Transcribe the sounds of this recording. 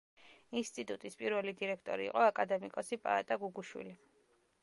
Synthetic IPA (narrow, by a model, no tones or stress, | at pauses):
inst̪ʼit̪ʼut̪ʼispʼiɾvɛlid̪iɾɛkʰt̪ʼɔ̰ɾḭːqʼɔakʼad̪ɛmikʼɔsipʼa̰at̪ʼaɡuɡuʃwḭli